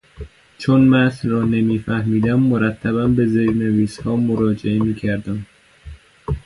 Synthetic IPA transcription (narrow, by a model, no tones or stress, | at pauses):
t͡ʃʰonmæsrɒːnemiːfæhmiːd̪æmːoɾæt̪ʰːæbænbezeɾneviːshɒːmoɾɒːd͡ʒeemiːcʰæɾd̪æm